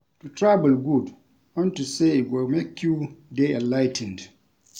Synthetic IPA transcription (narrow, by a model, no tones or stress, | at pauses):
tutɹabəlɡud | ɔ̃ntuseiwɔmekʰjudeɛ̃nlaɪtʰɛ̃nd